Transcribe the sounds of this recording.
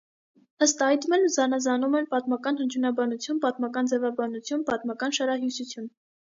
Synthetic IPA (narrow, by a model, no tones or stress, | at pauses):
əst̪ɑjt̪mɛlzɑnɑzɑnumɛnpɑt̪mɑkɑnhənt͡ʃʰunɑbɑnut͡sʰjunpɑt̪mɑkɑnd͡zɛvɑbɑnut͡sʰjunpɑt̪mɑkɑnʃɑɾɑɦjusut͡sʰjun